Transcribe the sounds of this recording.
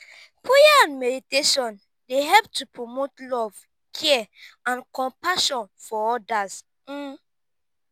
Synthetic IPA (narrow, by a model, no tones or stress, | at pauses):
pʰejaãnmɛditeʃɔ̃n | deɦɛlp̚tʰupɹomotlɔv̥ | kʰɛãnkɔ̃mpaʃɔ̃nfɔɔdaz̩